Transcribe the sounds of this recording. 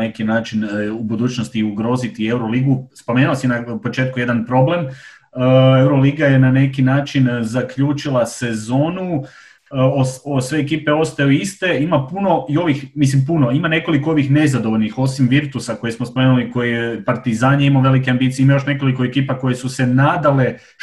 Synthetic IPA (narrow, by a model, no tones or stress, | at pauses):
nekinaːt͡ʃinubud̪uːt͡ɕnost̪iuɡɾo̞ːzit̪ie̞wɾoliːɡuspo̞me̞ːnuasinapo̞t͡ʃe̞ːt̪̚kuje̞d̪anpɾo̞ble̞m | ewɾoliːɡaje̞nane̞kinaːt͡ʃinzakʎuːt͡ʃilˠase̞zo̞ːnu | oosʋeːkiːpe̞o̞st̪ajoist̪e̞imapuno̞io̞ʋixmislimpuno̞imane̞ko̞likoo̞ʋixne̞zad̪oʋoʎʲnixo̞simʋiɾt̪usako̞jesmospo̞me̞nuliko̞jeepaɾt̪izaːɲeimaʋe̞likeambiːt̪sijeimajo̞ʃne̞ko̞liko̞ekiːpako̞je̞suse̞naːd̪ale̞